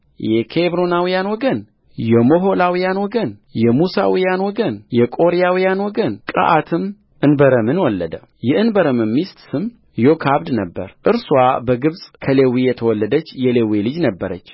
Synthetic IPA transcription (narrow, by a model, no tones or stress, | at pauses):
jɛkʰebɾonawijanwɔɡən | jɛmo̞ɦolawijanwɔɡənjɛmusa̰wijanwɔɡənjɛkʼo̞ɾijawijanwɔɡənkʼə̰ʔat̪ʰɨm | ʔɨnbəɾəmɨnwɔlːəd̪ə | jɛʔɨnbəɾəmɨmːist̪sɨm | jokʰaβd̪nəbːə̰ɾʔɨɾswabəɡɨβsʼkʰəlewijɛt̪ʰəwɔlːəd̪ət͡ʃːjɛlewilɨd͡ʒnəbːəɾə̰t͡ʃː